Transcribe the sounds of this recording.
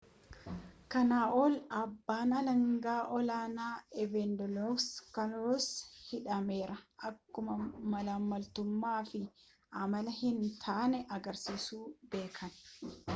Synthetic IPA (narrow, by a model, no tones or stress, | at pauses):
kɐnaːʔoːlɐbːaːnɐlɐŋɡaːʔɔlaːnaːɛvɛnd̪ɔlokskɐnshɪᶑɐmeːɾɐʔɐkːʊmɐmɐlɐmːɐlt̪ʊmːaːfɪ | ʔɐmɐlɐhɪnt̪ʰaːnɛʔɐɡɐɾsiːsuːbe̞ːkʰɐn